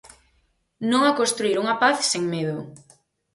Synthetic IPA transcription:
nõŋakõnst̪ɾuiɾuŋapaθseŋmeðʊ

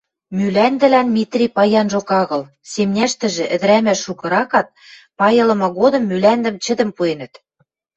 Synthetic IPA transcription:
mylænd̪ɘ̆lænmit̪rʲipɑjɑnʒokɑɣɤ̆l | semnʲæʃt̪ɘ̆ʒɘ̆ʔɘ̆d̪ɘ̆ɾæmæʃːukɤ̆ɾɑkɑt̪̚ | pɑjɤ̆lɤ̆mɑɣod̪ɤ̆mːylænd̪ɘ̆mt͡ɕɘ̆d̪ɘ̆mpuenə̆t̪

